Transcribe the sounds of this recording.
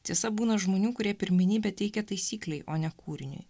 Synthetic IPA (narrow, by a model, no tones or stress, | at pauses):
t̪ʲiɛsɐbuːnɐʒmoːnʲuːkʊɾʲiɛpʲɪɾʲmʲɪnʲiːbʲɛt̪ʲɛɪkʲɛt̪ɐɪsʲiːklʲɛɪʔoːnʲɛkuːɾʲɪnʲʊ̰j